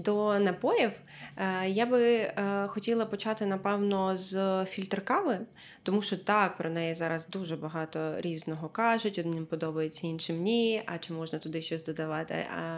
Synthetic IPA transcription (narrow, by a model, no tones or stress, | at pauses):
d̪ɔnɐpɔjiw | jabɪxɔtʲilˠɐpɔt͡ʃɑt̪ɪnɐpɛwnɔzfʲilʲt̪rkɑʋɪ | t̪ɔmuʃt͡ʃɔt̪ɑk̚pɾɔnɛjɛzɑɾɐzd̪uʒɛbɐɦɑt̪ɔɾʲiznɔɦɔkɑʒʊtʲɔd̪nʲimpɔd̪ɔbɐjet͡sʲːɐinʃɪmnʲiɐ̰t͡ʃɪmɔʒnɐt̪ʊd̪ɪʃt͡ʃɔsʲd̪ɔd̪ɐʋɑt̪ɪ̰ɐ̰